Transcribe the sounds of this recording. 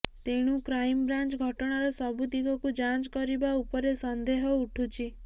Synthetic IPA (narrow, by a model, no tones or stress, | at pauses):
t̪eɽ̃ukɾajmbɾant͡ʃɡʱɔʈɔɽ̃aɾɔsɔbud̪iɡɔkud͡ʒat͡ʃkɔɾibaupɔɾesɔnd̪eɦɔuʈʰut͡ʃʰi